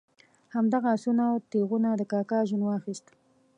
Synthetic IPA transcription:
hamd̪aɣasunat̪eɣunad̪əkɑkɑʒunwɑxist̪

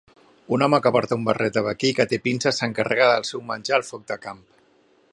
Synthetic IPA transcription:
unɔməkəpɔɾt̪aumbərɛt̪əβəkikət̪epinsəsəŋkərʔəɣaðəlˠsɛwmənʲʒaəlˠfɔk̚d̪əkamp

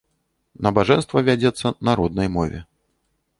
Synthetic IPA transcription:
nɐbaʐɛnst̪vɐvʲad͡zʲɛt̪sːɐnaɾɔd̪̚nɐjmɔvʲɛ̰

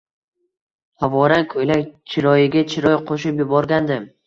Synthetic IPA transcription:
havɒɾankʰɵjlakʲt͡ʃʰɪɾɒjɪɡʲat͡ʃʰɪɾɒjqʰoʃɪpjʊbɒɾɡʲand̪ɪm

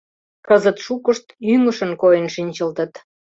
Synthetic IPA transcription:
kəzət̪ʃukəʃt̪yŋəʃənkojənʃinʲt͡ɕəlt̪ət̪

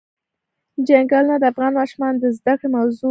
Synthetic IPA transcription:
d͡ʒaŋɡɑlnad̪əafɣɑnmɑʃumɑnd̪əzd̪akɽemawzu

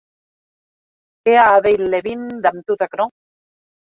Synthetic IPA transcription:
keaːðejlːeβind̪amt̪ut̪akno

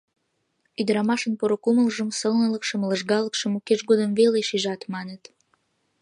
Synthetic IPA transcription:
yd̪əɾɑmɑʃənpoɾokuməlʒəmsəlnələkʃəmləʒɣɑləkʃəmukeʃɡod̪əmveleʃiʒɑt̪mɑnət̪

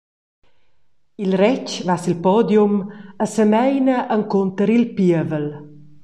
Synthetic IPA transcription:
ilrɛt͡ʃvasilpɔd̪juməsəmɛjnəʔəŋkont̪əɾilpiəvəl

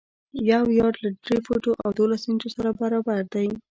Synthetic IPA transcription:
jawjɑɖlaɖɾefoʈoʔawd̪olasɪnd͡ʒosaɾabaɾɑbaɾd̪aj

